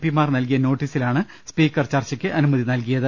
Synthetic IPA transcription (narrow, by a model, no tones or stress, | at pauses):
pːimaːrnɐlk̬ijɐno̞ːʈːiːsilaːɳɨ | spiːkːɐrt͡ɕɐrt͡ɕɐkʲːɨʔɐnumɐðinɐlk̬ijɐðɨ